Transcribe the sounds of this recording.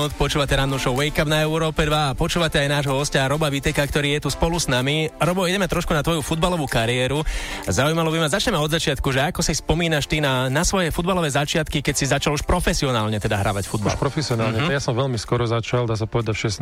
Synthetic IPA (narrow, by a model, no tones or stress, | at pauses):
ut̪pɔt͡ʃuːʋacɛɾanuʃɔʋɛjkabnaɛuɾɔːpɛd̪ʋaːpɔt͡ʃuːʋacɛajnaːʒɦɔɦɔscaːɾɔbaʋit̪ɛkakt̪ɔɾiːjɛt̪uspɔlusnamiɾɔbɔiɟɛmɛt̪ɾɔʃkunat̪ʋɔjufud̪̚balɔʋukaɾiɛːɾuzaujmalɔbimazat͡ʃɲɛmɛɔd̪zat͡ʃɪat̪kuʒɛakɔsispɔmiːnaʃt̪inanasʋɔjɛfud̪̚balɔʋɛːzat͡ʃɪat̪kikɛcsizat͡ʃaluʃpɾɔfɛsiɔnaːlɲɛt̪ɛd̪aɦɾa̰ʋacfud̪balʃpɾɔfɛsiɔnaːlɲɛjasɔmʋɛʎmiskɔɾɔzat͡ʃald̪aːs̬apɔʋɛd̪acʃɛs